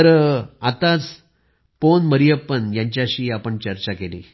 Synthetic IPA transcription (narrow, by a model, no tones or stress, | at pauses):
t̪əɾat̪at͡s | ponməɾijəpənjaɲt͡ɕjaɕiːapəɳt͡ɕəɾt͡ɕakelḭː